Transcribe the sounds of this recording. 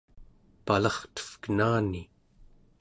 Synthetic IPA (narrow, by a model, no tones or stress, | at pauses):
palɑχt̪ə̥fkənaːni